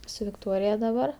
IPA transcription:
sʊ ʋʲɪkˈtoːrʲɪjɛ dɐˈbɐr

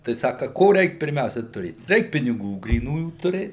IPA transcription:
tɐɪ ˈsɑːkɐ ˈkoː ˈrʲɛɪk pʲɪrʲˈmʲɛʊsʲɛ tʊˈrʲeːt ˈrʲɛɪk pʲɪnʲɪˈɡuː ɡrʲiːˈnuːjuː tʊˈrʲeːt

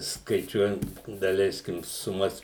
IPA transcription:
skɐɪˈt͡ʃʲuɔjɛnt dɐˈlʲɛɪsʲkʲɪm sʊˈmɐs

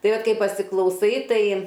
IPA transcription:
ˈtɐɪ ˈʋɐt ˈkɐɪ pɐsʲɪklˠɐʊˈsɐɪ ˈtɐɪ

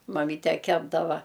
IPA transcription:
mɐˈmʲiːtʲɛ ˈkʲæːbdɐʋɐ

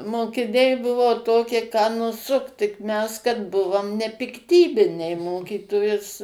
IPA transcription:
moːkʲɪˈnʲɛɪ ˈbʊʋoː ˈtoːkʲiɛ kɑː nʊˈsʊkt tʲɪk mʲɛs kɐt ˈbʊʋoːm nʲɛpʲɪkˈtʲiːbʲɪnʲɛɪ ˈmoːkʲiːtoːjʊs

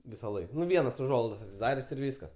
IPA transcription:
ʋʲɪsɐˈlˠɐɪk ˈʋʲiɛnɐs ʊˈʒuɔlˠɐɪdɐs ɐtʲɪˈdɑːrʲeːsʲ ɪr ˈʋʲiːskɐs

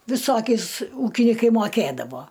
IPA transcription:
ʋʲɪˈsoːkʲɛɪs ˈuːkʲɪnʲɪkɐɪ moːˈkʲeːdɐʋoː

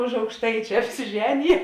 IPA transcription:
ʊʃ ɐʊkʃˈtɐɪt͡ʃʲɛ ɐpʲsʲɪˈʒʲæːnʲɪjɛ

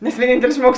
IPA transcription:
nʲɛs ʋʲiɛˈnʲiːnʲtʲɛlʲɪs ˈʒmuɔɡʊs

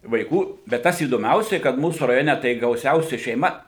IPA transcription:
ʋɐɪˈkuː bʲɛt ˈtɐs iːdoːˈmʲɛʊsʲɛɪ kɐt ˈmuːsuː rɐˈjoːnʲɛ tɐɪ ɡɐʊˈsʲɛʊsʲɛ ʃʲɛɪˈmɐ

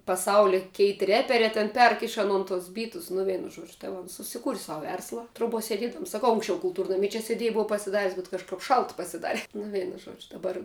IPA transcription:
pɐˈsɐʊlʲɛ ˈkʲɛɪt rʲɛpʲɛrʲɛː tʲɛn ˈpʲɛrk ɪʃ ɐˈnoːn tʊs ˈbʲiːtʊs nʊ ˈʋʲiɛnʊ ˈʒuɔd͡ʒʲʊ tɐɪ ˈʋɐ oːns sʊsʲɪˈkuːrʲɪ ˈsɐʊ ˈʋʲɛrslˠɐ troːˈbuɔ sʲɛˈdʲiɛdɐms sɐˈkɐʊ ʊŋksʲˈt͡ʃʲɛʊ kʊlˠˈtuːrnɐmʲɪ t͡ʃʲɛ sʲɛˈdʲiɛj ˈboːʋɐ pɐsʲɪˈdɑːrʲɪs bʲɛt kɐʃˈkɐp ˈʃɐlˠt pɐsʲɪˈdɑːrʲɛ nʊ ˈʋʲɛɪnʊ ˈʒuɔd͡ʒʲʊ dɐˈbɐr

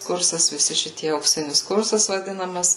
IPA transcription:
ˈkʊrsɐs ʋʲɪˈsʲɪ ʃʲɪˈtʲiɛ ɐʊkˈsʲɪnʲɪs ˈkʊrsɐs ʋɐˈdʲɪnɐmɐs

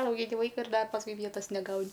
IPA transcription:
ɐʊɡʲɪˈnʲɪ ˈʋɐɪkɐ ɪr ˈdɐ pɐsˈkʊɪ ˈʋʲiɛtɐs nʲɛˈɡɐʊnʲɪ

